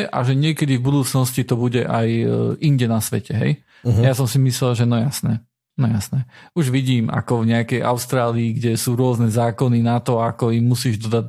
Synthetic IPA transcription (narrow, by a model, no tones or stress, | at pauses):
ʔa̰ʒɛɲɪɛkɛd̪ivbud̪uːt͡snɔscit̪ɔbuɟɛʔajiɲɟɛnasʋɛ̰cɛɦɛ̰j | jasɔmsimislɛlʒɛnɔjasnɛ | nɔjasnɛuʒʋiɟiːma̰kɔvɲɛakɛjʔa̰ʊst̪ɾaːliːɡɟɛsuːɾʊɔznɛzaːkɔninat̪ɔakɔimːusiːʒd̪ɔd̪a